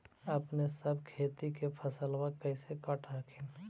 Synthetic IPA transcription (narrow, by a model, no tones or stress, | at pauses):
əpnesəbkʰeːt̪ikepʰəsəlwakəɪsekəʈɾakʰin